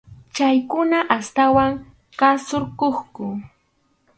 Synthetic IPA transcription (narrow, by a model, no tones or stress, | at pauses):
t͡ʃajkʊnaʔast̪awaŋ | kasoɾkoχkʊ